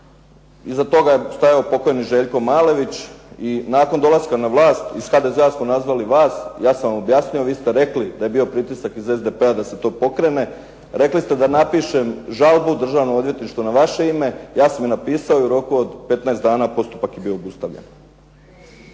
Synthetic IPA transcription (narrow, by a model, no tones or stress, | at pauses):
izat̪o̞ɡajest̪ajaopo̞ko̞jeniʒe̞ːʎko̞maːle̞ʋit͡ɕinaːko̞nd̪o̞lˠaskanaʋlˠaːst̪isxad̪e̞zeasmonazʋaliʋaːsjaːsamʋamo̞bjasɲujoʋiːst̪e̞ɾe̞klid̪aje̞bio̞pɾit̪isakize̞zd̪e̞pe̞ad̪ase̞t̪o̞ːpo̞kɾe̞ne̞ | ɾe̞klist̪e̞d̪anapiʃe̞mʒalˠbud̪r̩ʒaːʋnood̪ʋje̞t̪niʃt̪ʋunaʋaʃe̞ime̞jaːsamjenapiːsaoiuɾo̞kuod̪pe̞t̪naest̪d̪aːnaːpo̞st̪u̥pakjebio̞ːbust̪aʋʎḛn